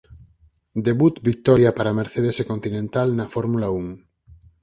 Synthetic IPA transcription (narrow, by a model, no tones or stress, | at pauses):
d̪eβut̪bik̚t̪ɔɾjapaɾameɾθeðesekont̪inẽnt̪alnɐfoɾmulauŋ